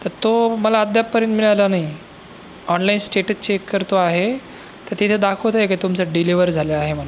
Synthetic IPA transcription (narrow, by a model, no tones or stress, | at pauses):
t̪əɾt̪oməlaəd̪jappːəɾjənt̪miɭajlanai | ɔnlainsʈeʈət͡ɕekːəɾt̪oaɦe | t̪əɾt̪it̪ʰed̪akʰəʋt̪aɦeket̪umt͡saɖiliʋəɾd͡zʱaleaɦeməla